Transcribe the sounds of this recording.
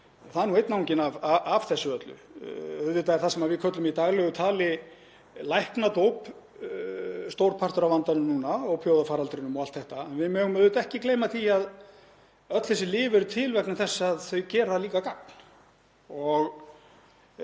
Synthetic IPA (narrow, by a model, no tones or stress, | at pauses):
ɔθaðɛɾnuejt̪nawɲcɪnavaav̥θɛsːʏœt̪lʏ̰œðvɪt̪aɛɾθasɛmavɪðkʰœt̪lʏmit̪aɣlɛɣʏt̪ʰaːlɪ | lajhknat̪owp | st̪owɾpʰart̪ʏɾavant̪anʏmnuːnaɔɣpʰjowðafaːɾalt̪ɾɪnʏmɔalt̪θɛht̪aɛnvɪðmœːɣʏmœðʏt̪ɛhcɪkleːjmaθiað | œt̪lθɛs̬ɪlɪːvɛɾʏt̪ʰɪlvɛknaθɛsːaðθœɥcɛːɾaliːkakakn | ɔɣ